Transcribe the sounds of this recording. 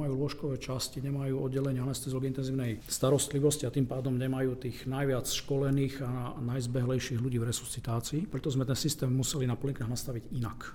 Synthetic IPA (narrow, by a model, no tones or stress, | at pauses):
ajuːlʊɔʃkɔʋɛːt͡ʃasciɲɛmajuːɔd̪ɟɛlɛɲɪaanɛst̪ɛzɔɡint̪ɛnziːʊnɛjst̪aɾɔst̪liʋɔsciat̪iːmpaːd̪ɔmɲɛmajuːt̪iːɣnajʋɪat͡sʃkɔlɛniːɣanajzbɛɦlɛjʃiɣluɟiːvɾɛsu̥sit̪aːt͡siːpɾɛt̪ɔzmɛt̪ɛnsist̪ɛːmːusɛlinapɔliŋkaːɣnast̪aʋiɟina̰k